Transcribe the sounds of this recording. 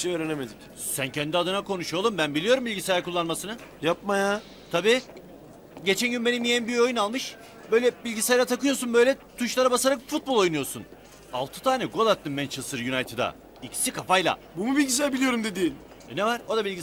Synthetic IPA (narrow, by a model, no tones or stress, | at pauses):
iʃejøːɾenemed̪ic | sæncʰɛnd̪iad̪ɯnakʰo̞nuʃolˠumbænbilʲijo̞ɾumbilɟisejɾakulˠːanmasɯnɯ | japmaja | t̪ʰabiː | ɟe̞t͡ʃʰænɟynbe̞nimijenbio̞junalˠmɯʃ | bø̞jlʲɛbilʲɟisajlˠat̪ʰakɯjo̞sunbø̞jlʲɛt̪ʰuʃlˠaɾabasaɾakfut̪̚bo̞lˠo̞jnujo̞ɾsun | a̰lˠt̪ʰɯ̥t̪ʰaːnʲɛɡo̞lˠat̪ːɯmmːɛnt͡ʃʰesɯɾjunajt̪ʰed̪a̰ | icʰi̥sikʰafajlˠa̰bumubilʲɟis̬æɾbilʲijo̞ɾumd̪ed̪iːn | ɛnevaɾ̥o̞d̪abilʲɟʲi